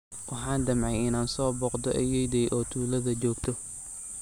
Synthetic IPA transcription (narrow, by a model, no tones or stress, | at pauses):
wʔɑħɑːnd̪ɐmʕɛjɪnaːnsɔːbɔːqd̪ɔʔɛjɛjd̪ɛjʔɔːt̪ʰuːlɐðɐd͡ʒɔːɡt̪ʰɔ